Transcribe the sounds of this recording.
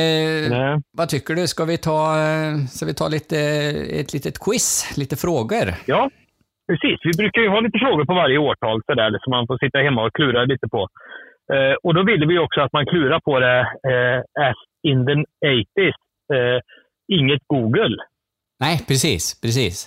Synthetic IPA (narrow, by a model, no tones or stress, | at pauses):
vɑt̪ʰʏkːəɖɵskavɪt̪ʰɑːskavɪt̪ʰɑ̰ːliːt̪əɛ̰t̪ʰliːt̪ət̪kʰwɪsliːt̪əfɾoːɡəɾjɑː | pʰɾɛsiːsvɪbɾʉ̟ːkaɾjɵhɑːliːt̪əfɾoːɡʊɾpɔvaɾjəoːʈʰɑːlsɔd̪æːɾɛləʂsɔmːanfoːɾsɪt̪ːahɛmːaɔkʰlʉːɾaliːt̪əpʰɔ | ɔd̪ɔvɪlːəvɪjɔksɔat̪̚mankʰlʉ̟ːɾaɾpʰɔd̪ɛ | æs | ɪnd̪ənɛɪt̪ɪs | ɪŋːət̪ɡuːɡəl | næɪpʰɾɛsḭːspʰɾɛs̬ḭːs